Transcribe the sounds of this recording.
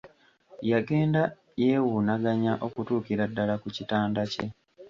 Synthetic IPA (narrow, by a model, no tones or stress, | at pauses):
jaɡe̞ːnda | jeːwunaɡaɲaʔo̞kutuːkiɾadːalakucitaːndace̞